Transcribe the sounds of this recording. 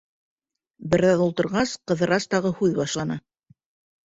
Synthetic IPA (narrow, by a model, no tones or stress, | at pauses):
bɘ̆ɾðæðulˠt̪ɤ̆ɾʁɑsqɤ̆ðɤ̆ɾɑst̪ɑʁɤhʉðβɑʃlˠɑnɑ